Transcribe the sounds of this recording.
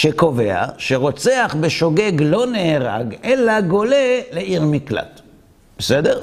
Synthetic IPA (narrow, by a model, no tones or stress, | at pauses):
ʃeko̞ve̞a̰ʃeʁo̞t͡seaχbeʃo̞ɡe̞ɡlo̞neeʁa̰ɡelaɡo̞le̞leʔiʁmikla̰t | b̥esedeʁ